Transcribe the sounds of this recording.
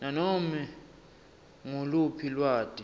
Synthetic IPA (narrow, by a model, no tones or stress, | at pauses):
nanɔmi | ŋulupʰilwaːtʼi